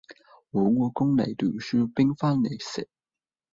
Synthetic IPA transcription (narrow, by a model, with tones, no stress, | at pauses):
wɔː˨˥ŋɔː˧kʊ˥ŋlɐ̰˨˩jt̪yː˨˩nsyː˥pɪ˥ŋfaː˥nːe˨˩jsɪ̰˨˩k̚